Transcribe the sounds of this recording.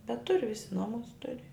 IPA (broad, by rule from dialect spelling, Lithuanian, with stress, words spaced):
bʲɛt ˈtʊrʲɪ ˈʋʲɪsʲɪ ˈnoːmʊs ˈtʊrʲɪ